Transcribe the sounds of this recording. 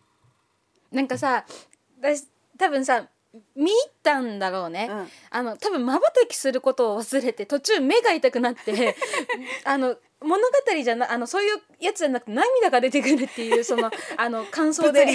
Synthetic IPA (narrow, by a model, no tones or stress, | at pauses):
nãŋkasa | d̪a | t̪abɯ̟̃ɰ̃sa | mʲiːt̪ːãnd̪aɾo̞ːne̞ | ano̞t̪abɯ̟̃mmabat̪akʲi̥sɨɾɯ̟ko̞t̪o̞ːβasɨɾe̞t̪e̞t̪o̞t͡ɕɨːme̞ɡait̪akɯ̟nat̪ːe̞ | ano̞ | mo̞no̞ɡat̪aɾʲiʑanʔano̞so̞ːjɯ̟ː | jat͡sɨd͡ʑanakɯ̟t̪enãmʲːid̪aɡad̪e̞t̪e̞kɯɾɯ̟t̪ːe̞jɯ̟ːso̞no̞ano̞kãɰ̃so̞ːd̪e